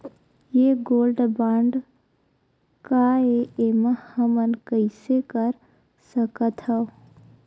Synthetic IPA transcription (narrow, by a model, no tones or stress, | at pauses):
jeɡoːlɖbãɳɖ | kaeeməhəmənkəɪsekəɾ | səkət̪ɦəo